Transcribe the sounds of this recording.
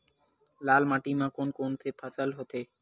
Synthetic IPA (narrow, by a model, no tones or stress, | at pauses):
laːlmaːʈimãːkonkont̪ʰeːpʰəsəlɦot̪ʰeː